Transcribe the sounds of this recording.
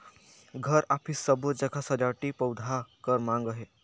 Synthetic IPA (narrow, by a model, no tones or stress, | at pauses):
ɡʱəɾapʰiːsəbəd͡ʑakʰasəɾjaʈiːpəwd̪ʱakəɾmãŋɡaɦe